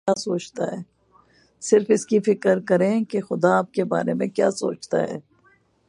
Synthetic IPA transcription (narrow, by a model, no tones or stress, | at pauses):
asoːt͡ʃt̪aɦɛː | sɪɾfɪskifɪkəɾkɐɾẽkexʊd̪aːp̚keba̰ːɾemẽkjaːso̰ːt͡ʃt̪a̰ɦɛ̰ː